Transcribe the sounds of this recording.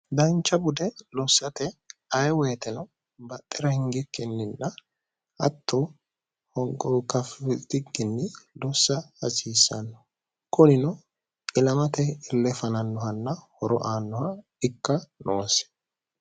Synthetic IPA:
d̪ɐnt͡ʃːɐbʊd̪ɛlɔsːɐt̪ɛɐjwɛjt̪ɛnɐ | bɐt̪ʼːɛɾɐhɪŋɡɪkʰːɛnːɪnːɐ | ɐ̰t̪ʰːɔ | hɔŋkʼɔwkːɐfɪt̪ɪɡɪnːɪlɔsːɐɐsiːsːɐnːɔ̥ | kʊnɪnɔ | ɪlɐmɐt̪ɛɪlːɛfɐnɐnːɔhɐnːɐhɔɾɔ̰ʔaːnːɔhɐ | ɪkːɐnʔoːsɛ̥

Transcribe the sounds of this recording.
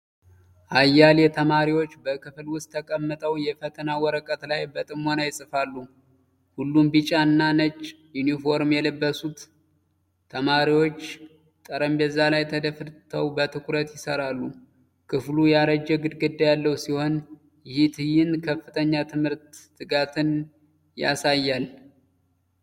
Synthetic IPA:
ʔajːaljɛt̪ʰəmaɾiwo̞t͡ʃːbəkɨflwʊst̪ʰːəkʼəmːət̪ʼəwjɛfət̪ʰənawɔɾəkʼət̪lajbət̪ʼɨmonajɪsʼɨfalːu | hulːumbɨt͡ʃʼaɨnːanət͡ʃʼː | junifo̞ɾmjɛlɨbːəsut̪ʰː | əmaɾiwo̞t͡ʃː | t̪ʼəɾəmbɛzːalajt̪ʰəd̪əfɨt̪ʰəwbət̪ʰɨkɾət̪jɪsəɾalːu | kʰɨflujaɾəd͡ʒːɛɡɨd̪ɡɨd̪ːajalːəwsiho̞n | jɪhit̪ʰɨjɪnkʰəfːɨt̪ʰəɲːat̪ʰɨmhɨɾt̪ːɨɡat̪ʰɨn | ja̰sajːal

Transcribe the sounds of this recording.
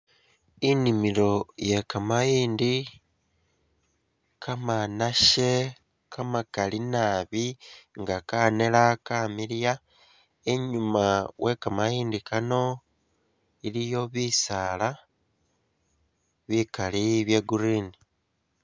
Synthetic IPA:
inimilo̞je̞kamajiːndi | kʰamanaʃe̞ | kʰamakalinaβiŋɡakane̞lakaːmilja | e̞ɲumawʔe̞kamajiːndikano̞ | ilijo̞βisaːla | βikaliβje̞ɡuɾini

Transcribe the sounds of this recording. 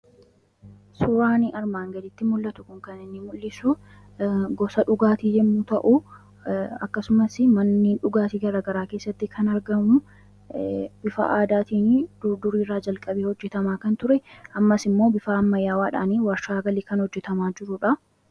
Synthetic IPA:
sʊɾaːnɪʔɐɾmaːŋɡɐd̪ɪt̪ːɪmʊlːɐt̪ʊkʊŋkɐnɪnːɪmʊlːɪsʊ | ɡɔsɐᶑʊɡaːt̪iːd͡ʒɛmːut̪ɐʔu | ɐkːɐsʊmɐsɪmɐnːiːnᶑʊɡaːt̪iːɡɐɾaːɡɐɾaːkeːsːɐt̪ːɪkʰɐnɐɾɡɐmʊ | bɪfɐ̰ʔaːd̪aːt̪iːnd̪ud̪ʊɾiːrːaːd͡ʒɐlkʼɐbiːhɔd͡ʒːɛt̪ɐmaːkɐnt̪ʊɾɛɐmːɐsɪmːo̞ːbɪfaːɐmːɐjaːwaːᶑa̰ːniːwɐɾʃaːɡɐliːkɐnhɔd͡ʒːɛt̪ɐmaːd͡ʒɪɾʊᶑɐ

